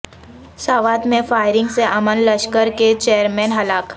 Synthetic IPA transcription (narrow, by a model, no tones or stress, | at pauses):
saːʋaːt̪mẽfaːɪɾɪ̃ŋɡseʔɐmənlɐʃkəɾket͡ʃeːəɾmɛ̃ːnɦɐlaːk